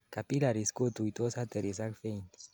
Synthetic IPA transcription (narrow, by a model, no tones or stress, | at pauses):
kapilaɾiskot̪uit̪osat̪eɾes̬akfejn